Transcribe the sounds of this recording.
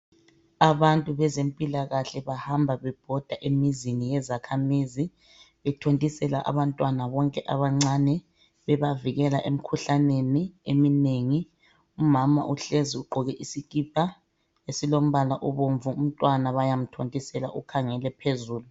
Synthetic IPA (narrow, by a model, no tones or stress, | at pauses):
aβantʼuβɛzempʼilaɣaɬɛβahambʱaβɛb̥ʱɔd̥ʱaʔemizinijɛzakʰamizi | βɛtʰontʼisɛlaʔa̰βantʼwanaβɔŋkʼɛʔaβaŋ͡ǀanɛ | βɛβaviɣɛlaʔemikʰuɬaneniemineŋi | umama̰ʔuɬeziuɡ͡ǃʱɔɣɛʔisikʼip̚ʰa | esilom̩βalaʔɔβoɱvuum̩tʼwanaβajam̩tʰontʼisɛla̰ʔukʰaŋɛlɛpʰezuːlu